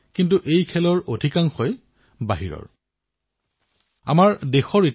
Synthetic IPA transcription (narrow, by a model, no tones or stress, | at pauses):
kintuʔejkʰɛlɔɹodʱikaŋxɔj | baɦiɹɔ̰ɹ | a̰maɹdexɔɹit